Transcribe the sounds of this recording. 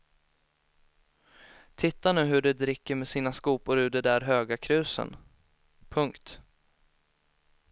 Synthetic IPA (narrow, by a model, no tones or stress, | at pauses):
t̪ʰɪt̪ːanʉ̟ːɦɵɖɛd̪ɾɪkːəɾmɛsiːnaskuːpʊɾʉ̟ːɖ̪ɛd̪æɾɦøːɡakʰɾʉ̟ːsə̰n | pʰɵŋkt̪